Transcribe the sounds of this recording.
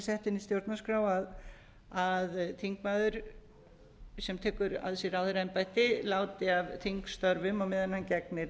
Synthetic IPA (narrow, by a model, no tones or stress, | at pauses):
sɛht̪ɪnist̪jowɾt̪naskɾaːwað | aðt̪ʰiŋkmaːðʏɾ̥ | sɛmt̪ʰɛːkʏɾa̰ðsiɾawðʏɾaɛnpajt̪ɪlaːwt̪ɪavt̪ʰiŋkst̪œɾvʏmɔɣmɪðɛnhancɛk̚nɪ